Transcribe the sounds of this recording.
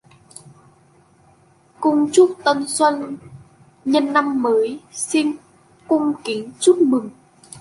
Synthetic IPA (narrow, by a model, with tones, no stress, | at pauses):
kʊ˧ŋ͡mt͡ɕu˦˥t̚t̪ə˧nswə˧n | ɲə˧nːa˧mːəː˨˦jsi˧n | kʊ˧ŋ͡mki˨˦ŋt͡ɕu˦˥t̚mɨ˨˩ŋ